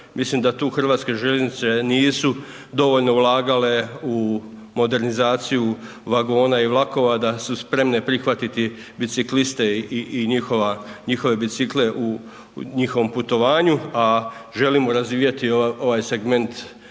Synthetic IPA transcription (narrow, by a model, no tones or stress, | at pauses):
mʔislimd̪at̪uːxr̩ʋaːt̪ske̞ʒeenit̪se̞niːsu | d̪o̞ʋoʎno̞ulˠaːɡale̞u | mo̞d̪e̞ɾnizaːt̪siju | ʋaɡo̞ːnaiʋlˠako̞ʋad̪asuspɾe̞mne̞pɾixʋat̪it̪i | bit̪siklist̪e̞iːɲixoʋaɲixo̞ʋe̞bit̪sikle̞ʔu | ɲixo̞ʋo̞mput̪o̞ʋaːɲuaʒe̞limoɾazʋiːjet̪ioo̞ʋajse̞ɡme̞nt̪